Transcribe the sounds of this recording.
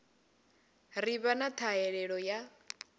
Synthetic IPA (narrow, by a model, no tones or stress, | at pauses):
riβanat̪ʰaɛɺɛɺɔja